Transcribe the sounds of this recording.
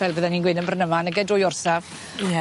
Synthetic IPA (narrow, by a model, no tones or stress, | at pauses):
vɛlˠbəːðɛninɡwɪnənbrənəmanəɡɛdrʊjɔrsav̥ | ɛ